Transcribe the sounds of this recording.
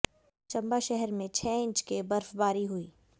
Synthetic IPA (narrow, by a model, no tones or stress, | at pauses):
t͡ʃɐ̃mbaʃɛɦɛɾmẽt͡ʃʰɛːɪ̃ɲt͡ʃkebɐɾfbaːɾiɦuiː